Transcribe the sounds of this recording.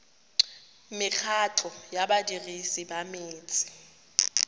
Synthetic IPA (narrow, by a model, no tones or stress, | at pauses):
mɪk͡xʰaǁʰɔjaɓadirisiɓameːt͡sʼi̥